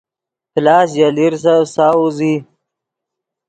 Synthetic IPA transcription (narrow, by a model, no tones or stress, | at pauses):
plɑːs̬jaliɾs̬asaːuzi